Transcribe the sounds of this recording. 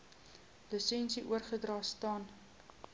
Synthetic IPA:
ləsɛnsiʔuərχədrɑːstɑːn

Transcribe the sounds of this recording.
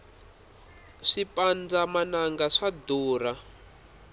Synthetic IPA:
ʂipʼand͡zamanaŋɡaʂad̪uːra

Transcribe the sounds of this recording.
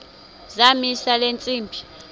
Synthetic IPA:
zamisalent͡sʼiːmbʱi

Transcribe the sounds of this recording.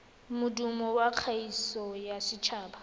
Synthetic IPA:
mʊdumɔwaq͡χʰaisɔjasɪt͡ʃʰaːba

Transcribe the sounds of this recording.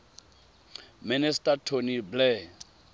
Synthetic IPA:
mɪnɪstʼatʰoniblɛ

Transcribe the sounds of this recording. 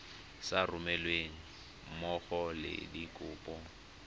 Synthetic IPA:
sarʊmɛlweŋ̩ | mɔχɔlɪ̰dikʼʊːpʼɔ

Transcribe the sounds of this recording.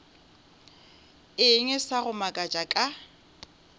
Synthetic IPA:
ɪŋɛsaɣʊmakʼat͡ʃʼakʼa

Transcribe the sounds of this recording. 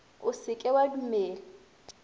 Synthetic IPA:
ʊsɪkʼɛwadumɛːlɛ

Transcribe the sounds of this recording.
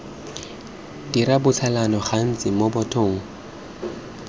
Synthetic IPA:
diɾabʊt͡sʰalanɔχan̩t͡sʼɪmobɔtʰʊːŋ̩

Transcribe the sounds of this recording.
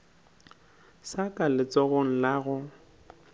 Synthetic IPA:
sakʼalɪt͡sɔɣɔŋ̩laɣʊ

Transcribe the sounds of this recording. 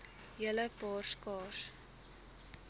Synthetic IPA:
jələpɑːrskɑːs

